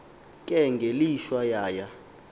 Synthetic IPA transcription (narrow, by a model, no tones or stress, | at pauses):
kʼɛŋɡʱeliʃwajaːja